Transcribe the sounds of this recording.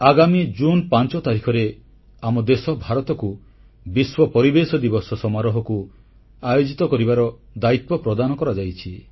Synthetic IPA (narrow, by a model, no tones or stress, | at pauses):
aɡamid͡ʒunpant͡ʃɔt̪aɾikʰɔɾe | amɔd̪esɔbʱaɾɔt̪ɔku | biswɔpɔɾibesɔd̪ibɔsɔsɔmaɾɔɦɔku | ajod͡ʒit̪ɔkɔɾibaɾɔd̪ait̪wɔpɾɔd̪anɔkɔɾad͡ʒajt͡ʃʰi